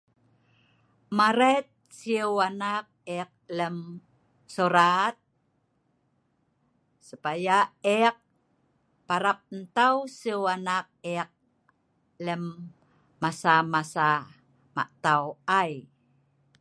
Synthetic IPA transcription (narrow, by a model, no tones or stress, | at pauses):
maɾet̪̚siwanak̚ek̚ləm | soɾat̪̚ | səpajaɛk̚ | paɾap̚ənt̪awsiwanak̚ɛq̚ | ləmː | asamasa | ma̰ʔt̪awaj